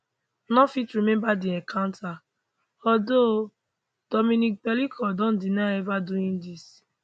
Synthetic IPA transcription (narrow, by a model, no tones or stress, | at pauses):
nɔ̃fitɹimɛ̃mbadiɛ̃kʰãʊ̃ntʰa | ɔdo | d̥ɔmĩnik̚bɛlikʰɔdɔ̃ndinaɛvaduĩndis